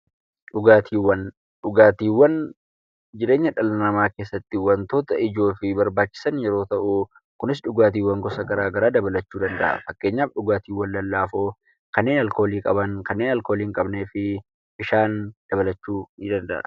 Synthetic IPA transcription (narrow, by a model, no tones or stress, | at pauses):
ᶑʊɡaːt̪ʰiːwːɐn | ᶑʊɡaːt̪iːwːɐn | d͡ʒɪɾeːɲːɐᶑɐlɐnɐmaːke̞ːsːɐt̪ːɪwɐnt̪oːt̪ɐʔɪd͡ʒo̞ːfɪbɐɾbaːt͡ʃːɪ̥sɐnjɛɾo̞ːt̪ɐʔʊ | kʊnɪs̬ᶑʊɡaːt̪iːwːɐŋɡɔsɐɡɐɾaːɡɐɾaːd̪ɐbɐlɐt͡ʃːuːd̪ɐnd̪ɐ̰ʔɐ̰fɐkːe̞ːɲːaːfᶑʊɡaːt̪iːwɐnlɐlːaːfoː | kɐnːe̞ːnɐlko̞ːliːkʼɐbɐŋkɐnːe̞ːnɐlkoːliːŋkʼɐbneːfɪ | bɪʃaːnd̪̥ɐbɐlɐt͡ʃːuːd̪ɐnd̪ɐ̰ʔɐ̰